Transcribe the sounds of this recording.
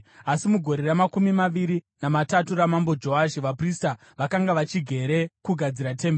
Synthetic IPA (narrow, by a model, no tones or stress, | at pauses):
asimuɡʱo̞ɾeramakumimaʋiɾi | namataturamambo̞d͡ʒo̞aʃiʋaprista | ʋakaŋɡaʋat͡ʃiɡʱe̞ɾe̞kuɡʱad͡ziɾate̞mbe